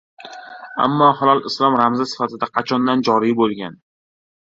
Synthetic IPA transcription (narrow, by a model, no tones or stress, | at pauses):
a̰mːɒhɒlˠɒlˠɪslˠɒmɾamzasɪ̥fat̪ʰɪd̪aqʰɑt͡ʃʰɒnd̪and͡ʒɒɾibolˠɡʲan